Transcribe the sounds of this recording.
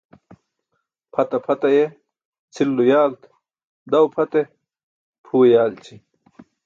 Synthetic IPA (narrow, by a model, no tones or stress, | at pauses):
pʰɐt̪ɐpʰɐt̪ɐje | t͡sʰilːujaːlt̪ | d̪ɐwpʰɐt̪e | pʰuːjaːlt͡ɕʰi